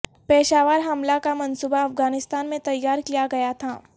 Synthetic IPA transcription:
pɛːʃaːʋaːɾɦɐmlakamɐnsubaɐfɡaːnɪst̪aːnmẽt̪ɐjːaːɾkijaɡɐjat̪ʰaː

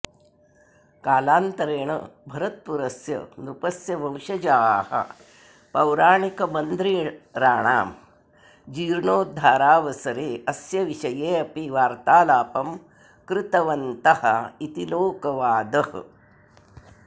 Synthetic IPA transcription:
kaːlaːnt̪ɐɾeːɳɐ̰bʱɐɾɐt̪̚puɾɐsjɐ̰nɾupɐsjɐbʱɐwʃɐd͡ʒaːhɐ̰ | pɐwɾaːɳikɐbɐnd̪ɾiɾaːɳaːm | d͡ʒiːɾɳoːd̪ʱaːɾaːʋɐsɐɾeːɐsjɐʋiʃɐjeːɐpiʋaːɾt̪aːlaːpɐm | kɾɪt̪ɐʋɐnt̪ɐhɐ̰it̪iloːkɐʋaːd̪ɐh

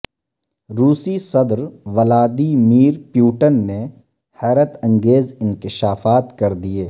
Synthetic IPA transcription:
ɾuːsisɐd̪ɾʋɐlaːd̪imiːɾpjuːʈənːe | hɛːɾət̪ɐ̃ŋɡeːzɪnkɪʃaːfaːt̪kɐɾd̪ieː

